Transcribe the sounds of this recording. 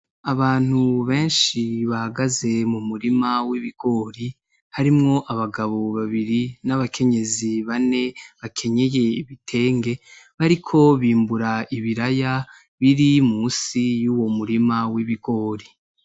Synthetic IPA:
aβaːn̥huβe̞ːnʃiβahaɡaze̞mumuɾimawiβiɡ̥o̞ːɾi | haɾimŋo̞ʔaβaɡaβo̞βaβiɾinaβakʰe̞ɲe̞ziβane̞βakʰe̞ɲe̞je̞iβitʰe̞ːŋɡe̞βaɾikʰo̞βiːmbuɾaiβiɾaja | βiɾimuːsijuːwo̞muɾimawiβiɡo̞ːɾi

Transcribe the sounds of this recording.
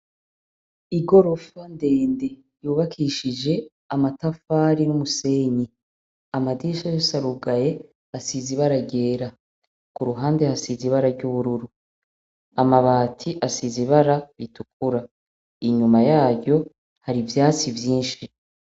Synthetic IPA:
iɡo̞ɾo̞fande̞ːnde̞ | juːβakʰiʃid͡ʒe̞ | amatafaːɾinumuse̞ːɲi | amadiʃajosaɾuɡaje̞ | asiziβaɾaɟe̞ːɾa | kuɾuɦaːnde̞hasiziβaɾaɾɟuβuɾuɾu | amaβaːtʰiʔasiziβaɾaβitukʰuɾa | iɲumajaːɟo̞ | haɾivjaːt͡sivjiːnʃi

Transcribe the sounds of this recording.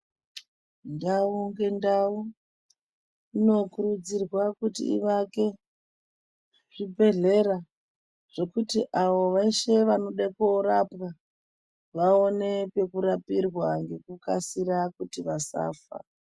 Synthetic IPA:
ndauŋɡe̞ndau | ino̞kurud͡zirwakutḭḭʋake̞ | ʐibʱe̞ɮe̞ra | ʐ̥e̞kutiʔaʋo̞ʋaiʃe̞ʋano̞ɗakoɾapwa | ʋao̞ne̞pe̞kuɾapirwaŋɡe̞kukasiɾakutiʋasa̰ːfa̰

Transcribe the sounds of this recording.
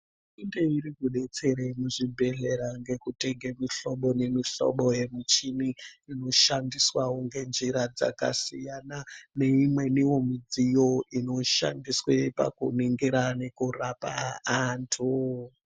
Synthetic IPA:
indeiɾikuɗe̞t͡se̞ɾemuʐibʱe̞ɮe̞ɾaŋɡe̞kute̞ɡʱemiɬo̞ɓo̞nemiɬo̰ɓo̞je̞mut͡ʃiniino̞ʃandiswauŋɡe̞nd͡ʒiɾad͡za̰ka̰sijanane̞imwe̞niwo̞mid͡zijo̞ino̞ʃa̰ndiswepa̰kṵniŋɡiɾane̞kurapaːntʰu

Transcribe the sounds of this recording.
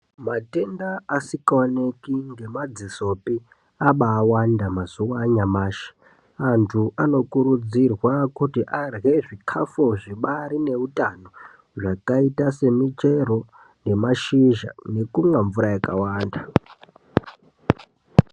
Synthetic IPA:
mate̞ndaasikaanekiŋɡemad͡ziso̞pi | aɓaːwandamazuwaɲamaːʃe̥ | antʰuʔano̞kuɾud͡zirwakutiʔarɣe̞ʐikʰafoʐiɓaɾine̞utano̞ | ʐakaitase̞mit͡ʃe̞ɾo̞ | ne̞maʃiʒa̰ne̞kumwaɱvuɾajakawaːnda

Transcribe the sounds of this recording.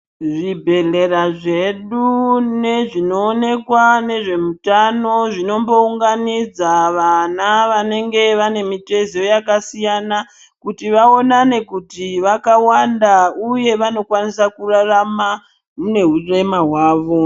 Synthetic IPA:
ʐibʱe̞ɮe̞ɾaʐe̞ɗune̞ʐino̞ːne̞kwane̞ʐe̞mutano̞ʐino̞mbo̞uŋɡanid͡zaʋanaʋane̞ŋɡe̞ʋane̞mite̞ziojakasijana | kutiʋao̞nane̞kutiʋakawandauje̞ʋano̞kwanisakurarama | mune̞ɦure̞maɦwaːʋo̞

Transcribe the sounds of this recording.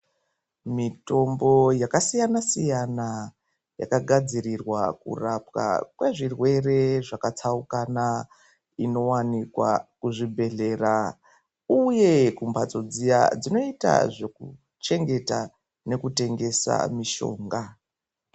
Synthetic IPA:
mito̞mbo̞jakasijanasijana | ja̰kaɡʱad͡zirirwakṵrapa̰kwe̞ʐirwe̞re̞ʐakat͡saukana | ino̞wanikwa̰kuʐibʱe̞ɮe̞ra | uje̞kumbat͡so̞d͡zija̰d͡zino̞ita̰ʐe̞ku | t͡ʃe̞ŋɡe̞ta | ne̞kute̞ŋɡe̞sa̰miʃo̞̰ːŋɡa

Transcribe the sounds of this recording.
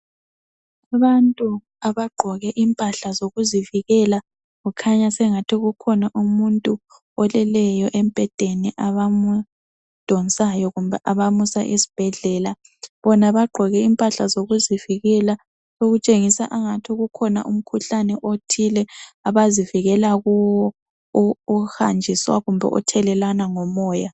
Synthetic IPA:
aβantʼu | aβaɡ͡ǃʱɔɣɛʔimpʼaɬazoɣuziviɣɛla | ɣukʰaɲasɛŋatʰiɣukʰɔnaʔumuntʼu | ɔlɛlɛjɔʔemb̥ʱɛd̥ʱeniʔaβamu | d̥ʱɔnsʼajɔɣumbaʔaβamusa̰ʔisi̥b̥ʱɛɮɛːla | βɔnaβaɡ͡ǃʱɔɣɛimpʼaɬazoɣuziviɣɛla | soɣut͡ʃʼeŋisa̰ʔaŋatʰiɣukʰɔna̰ʔum̩kʰuɬanɛʔotʰilɛaβaziviɣɛlaɣuwɔː | ha̰nd͡ʒʱiswa̰ɣumbʱɛ̰ʔɔ̰tʰɛlɛlanaŋɔmɔːja

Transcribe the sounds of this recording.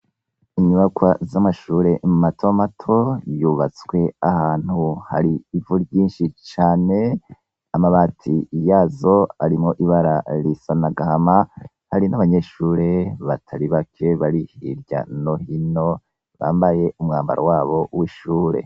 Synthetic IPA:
iɲuβakwazamaʃuːɾe̞mumatʰomatʰo̞juːβat͡swe̞ahaːn̥huha̰ɾiːvuɾɟiːnʃit͡ʃaːne | amaβaːtʰijaːzo̞aɾimŋo̞ʔiβaɾaɾisanaɡahama | haɾinaβaɲe̞ʃuːɾe̞βatʰaɾiβakʰe̞βaɾihiɾɟa̰no̞hino̞ | βa̰ːmbaje̞umŋaːmba̰ɾa̰waːβo̞wiʃuːɾe̞̰

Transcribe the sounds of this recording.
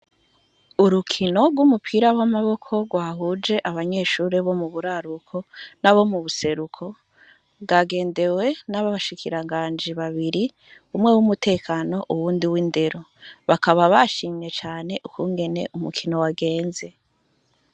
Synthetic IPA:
uɾukʰino̞ɡwumupʰiɾawamaβo̞kʰo̞ɡwaːhud͡ʒe̞ʔaβaɲe̞ːʃuːɾeβo̞muβuɾaɾukʰo̞naβo̞muβuse̞ɾukʰo̞ | βɡaɡe̞ːnde̞we̞naβaβaʃikʰiɾaŋɡaːɲd͡ʒiβaβiɾi | umŋe̞wumute̞ːkano̞ʔuwuːndiwiːnde̞ɾo̞ | βakaβaβaʃiːmɲe̞t͡ʃaːne̞ʔukuŋɡe̞ne̞̰ʔumukʰino̞waɡe̞ːnze̞

